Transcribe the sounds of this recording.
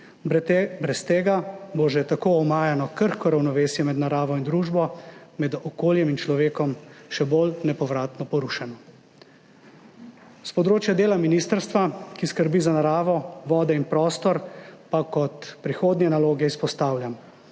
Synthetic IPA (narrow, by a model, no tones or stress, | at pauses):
bɾɛst̪eːɡaboʒɛt̪akoːɔmaːjanɔkəɾxkɔɾawnɔʋeːsjɛmɛd̪naɾaːʋɔind̪ɾuːʒbɔmɛd̪ɔkoːljɛmint͡ʃlɔʋeːkɔmʃɛbolnɛpɔʋɾaːt̪nɔpɔɾuʃanɔ | spɔd̪ɾoːt͡ʃjad̪eːlaminist̪əɾst̪ʋakiskəɾbiːzanaɾaːʋɔʋɔːd̪ɛinpɾɔːst̪ɔɾpakɔt̪pɾixoːd̪njɛnaloːɡɛispɔst̪aːwljam